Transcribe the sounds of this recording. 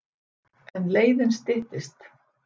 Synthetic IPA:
ɛnleːjðɪnst̪ɪht̪ɪst̪

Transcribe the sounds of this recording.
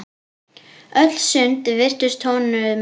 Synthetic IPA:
œt̪lsʏnt̪vɪr̥t̪ʏst̪ʰoːwnʏðm

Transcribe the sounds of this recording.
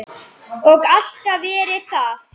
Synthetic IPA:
ɔɣal̥t̪avɛːɾɪθa

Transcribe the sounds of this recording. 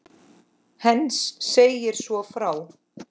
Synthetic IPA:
hɛnsːeːjɪɾ̥svɔfɾaːw

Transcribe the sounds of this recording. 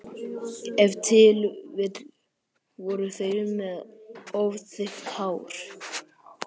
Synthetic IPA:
ɛvt̪ʰɪlvɪð | vɔɾʏθœjɾʏmɛðovθɪht̪hawɾ̥

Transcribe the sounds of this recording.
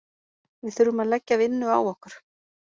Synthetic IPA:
vɪðθʏɾʏmaðlɛcːaðɪnːʏa̰ːwɔhkʏɾ̥

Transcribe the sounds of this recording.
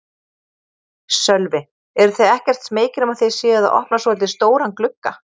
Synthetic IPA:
sœlvɪ | ɛɾʏθejɛhcɛr̥t̪smeːjcɪɾɛmaðθejsjɛːaða̰ʔɔ̰hpnasɔɛlt̪̬ɪst̪oːwɾanklʏkːa

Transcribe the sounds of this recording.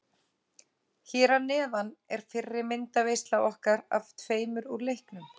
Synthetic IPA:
çɛːɾanɛːðanɛɾ̥fɪrːɪmɪnt̪avejst̪lawɔhkaɾa̰ft̪ʰveːjmʏɾuɾlejhknʏm

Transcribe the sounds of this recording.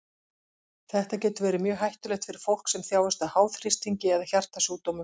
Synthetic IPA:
θɛht̪acɛːt̪ʏɾvɛːɾɪmjœːɣɦajht̪ʏlɛxt̪fɪɾɪɾ̥fowl̥ksɛmθjaːwɛst̪ahaːwθrɪst̪iɲcɪɛðaçar̥t̪asuːt̪owmʏm

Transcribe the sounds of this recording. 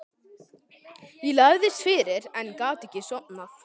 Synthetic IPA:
jɛlaɣðɪst̪fɪːɾɪɾɛnkaːt̪ɛcːɪsɔk̚na

